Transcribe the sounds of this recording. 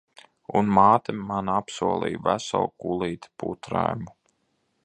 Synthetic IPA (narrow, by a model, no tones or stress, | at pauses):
unmaːt̪emːanapsuɔlˠḭjvæsa̰lˠkulˠiːt̪put̪ɾa̰jmu